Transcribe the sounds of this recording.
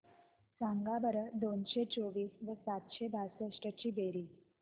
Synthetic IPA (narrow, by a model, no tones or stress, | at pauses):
sãŋɡabəɾəd̪onɕet͡soʋiːsʋəsat̪ɕebʱasəʂʈət͡ɕiːbeɾiː